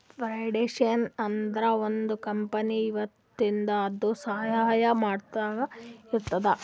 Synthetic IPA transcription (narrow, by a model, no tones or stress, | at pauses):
pɾɐjɖeːʂɐnɐnd̪ɐɾɐond̪ukɐmpɐniːʋɐt̪ːind̪ɐːd̪usɐɦjaːjɐmaːɖt̪aːɡɐiɾt̪ːɐd̪ɐ